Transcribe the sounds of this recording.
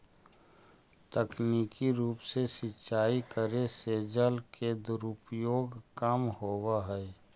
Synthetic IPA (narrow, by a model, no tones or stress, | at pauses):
t̪əkniːkiɾuːpsesɪtːʃaːikəɾeseːd͡ʒəlkʰed̪ʊɾʊpjoːɡkəmhoːwaɦɛː